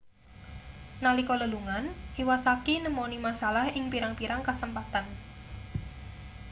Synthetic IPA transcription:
nalikɔləluŋanʔiwasakinəmonimasalahɪŋpiɾaŋpiɾaŋkasəmpat̪an

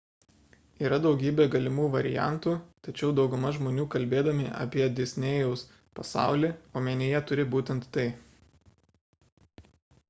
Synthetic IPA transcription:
iːɾɐd̪ɒʊɡʲiːbʲeːɡɐlʲɪmuːʋɐɾʲɪ̰jæ̰ˑnt̪uːt̪ɐt͡ʃʲɛʊd̪ɒʊɡʊmɐʒmoːnʲuːkɐlʲbʲeːd̪ɐmʲɪʔɐ̰pʲiɛd̪ʲesʲnʲeːjɛʊs | pɐsɑ̰ˑʊlʲiːoːmʲeːnʲeːjɛt̪ʊɾʲɪbuːt̪ʲɛnt̪ːɐɪ

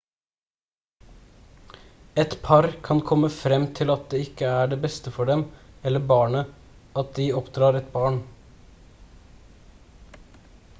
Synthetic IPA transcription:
ɛt̪pʰɑɾkʰɑnkʰɔməfɾɛmt̪ʰɪlɑt̪̚d̪eːɪkəæːɖeːbɛst̪əfɔɖɛmɛlːəbɑːɳə | ɑt̪̚d̪iːɔpd̪ɾɑːɾɛt̪bɑːɳ

